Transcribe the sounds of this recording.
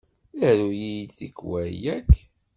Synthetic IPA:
æɾujijθikːwæjækː

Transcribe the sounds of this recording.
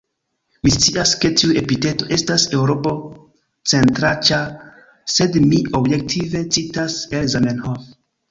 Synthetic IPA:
mist͡siaske̞tiue̞pite̞to̞ʔe̞stase̞wɾo̞po̞ | t͡se̞ntɾat͡ʃa | se̞dmio̞bje̞k̚tʰive̞t͡sitase̞lzamenhof

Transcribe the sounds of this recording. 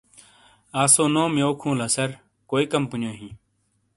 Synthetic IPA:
aːsoːnõːmjoːkʰũːləsəɾ | koːiːkəmpʊnjoːɦĩː

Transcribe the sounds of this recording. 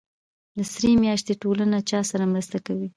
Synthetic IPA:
lasɾemjɑʃt̪eʈolanat͡ʃɑsaɾamɾəst̪akawi

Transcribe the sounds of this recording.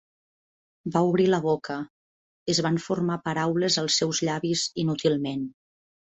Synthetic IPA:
bauβɾiləβokə | əzβaɱformapəɾawləzəlˠsːɛwzʎaβizinut̪ilˠmen

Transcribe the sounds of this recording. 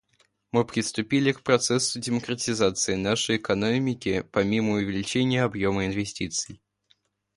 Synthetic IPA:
mɨpɾʲɪst̪ʊpʲilʲɪkpɾɐt̪sɛsːʊdʲɪməkɾətʲɪzat̪sɨɪnaʂəjɪkɐnomʲɪkʲɪpɐmʲiməʊvʲɪlʲɪt͡ɕenʲɪjəɐbjoməɪnvʲɪsʲtʲit̪sɨj

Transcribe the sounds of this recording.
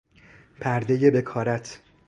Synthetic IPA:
pʰæɾd̪e̞jebe̞kʰɒːɾæt̪ʰ

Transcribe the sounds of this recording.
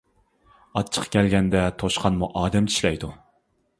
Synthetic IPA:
ɑt͡ʃʰːə̥qkʲɛlɡʲɛnd̪ɛt̪ʰoʃqʰɑnmuʔɑːd̪ɛmt͡ʃʰi̥ʃlɛjd̪u

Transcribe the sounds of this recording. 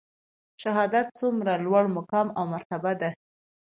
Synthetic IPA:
ʃaɦɑd̪at̪̚t͡sumɾalwaɽmʊkɑmawmaɾt̪abad̪a

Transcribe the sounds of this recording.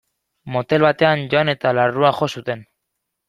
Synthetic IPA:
mo̞t̪e̞lβat̪e̞anʝo̞ane̞t̪alaruaxo̞sut̪e̞n

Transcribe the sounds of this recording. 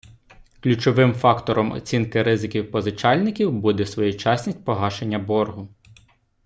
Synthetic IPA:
klʲut͡ʃɔʋɪmfɑkt̪ɔɾɔmɔ̰t͡sʲinkɪɾɪzɪkʲiwpɔzɪt͡ʃɑlʲnɪkʲiwbud̪ɛsʋɔjut͡ʃɑsʲnʲisʲt̚ʲpɔɦɑʃenʲːɐbɔrɦʊ

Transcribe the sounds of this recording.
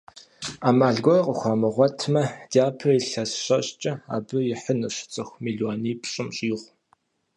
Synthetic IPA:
aːmaːɮɡʷɔjqʼəxʷamɨʁʷɔtʰmɐdaːpʰɐiɬɐsɕɐɕʼt͡ʃʼɐa̰ːbɨjɪħənɨɕt͡sʼɨxʷmiɮɔniːpʰɕʼɨmɕʼiːʁʷ

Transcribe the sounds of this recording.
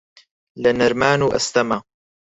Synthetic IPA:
lɐnɐɾmaːnuːʔɐ̰st̪ɐma

